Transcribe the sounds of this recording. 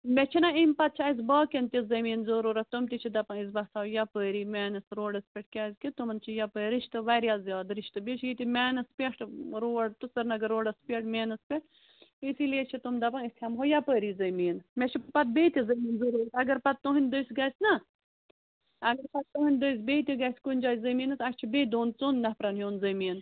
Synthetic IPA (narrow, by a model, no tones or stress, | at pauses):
mɛt͡ʃʰinɐimʲpɐt̪̚t͡ʃʰiɐzbaːkʲɐnt̪ʲizɐmiːnzuɾuːɾɐt̪umt̪it͡ʃʰid̪ɐpɐ̃niz̬bɐsaːwjapəːɾiːmeːnɐsɾoːɖɐspʲeʈ̚ʰkʲazʲkit̪umɐnt͡ʃʰijapəɾiʃt̪ɨʋɐɾjazjaːd̪ɾiʃt̪ɨbit͡ʃʰɡit̪imʲɛːnɐspʲeʈɾoːɖt̪usɐɾnɐɡɐɾoːɖɐspʲeʈmeːnɐspʲeʈ | isileːt͡ʃʰit̪umd̪ɐbɐŋist̪ʰʲhɐmɦojapəːɾiːzɐmiːnmɛt͡ʃʰipɐt̪̚beːt̪ʲizɐmiːnzuɾoːsɐɡɐɾpɐt̪̚t̪ːoɦinʲd̪əjsʲɡɐsʲnɐ | ɐɡɐɾpɐt̪̚t̪ːoɦɨnʲd̪əjsbeːt̪ʲiɡɐsʲkunʲd͡ʒaːzɐmiːnɐsɐkʲt͡ʃʰibed̪oːnt͡soːnːɐhpɾɐnɦjoːnzɐmiːn